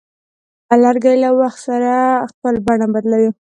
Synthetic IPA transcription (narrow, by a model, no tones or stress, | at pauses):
alaɾɡajlawaxt̪saɾaxpəlbaɳabad̪lawi